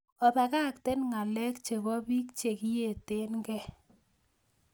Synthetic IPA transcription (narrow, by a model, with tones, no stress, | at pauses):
ɔ˨pɛ˨ka˦˨k̚te˦nŋa˨lɛ˦kt͡ʃe˨bɔ˦bi˦kt͡ʃe˨ki˦je˨te˦nɡɛ˦